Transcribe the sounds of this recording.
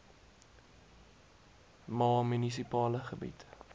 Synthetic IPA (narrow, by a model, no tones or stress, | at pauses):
mɑːmynisipɑːləχəbḭt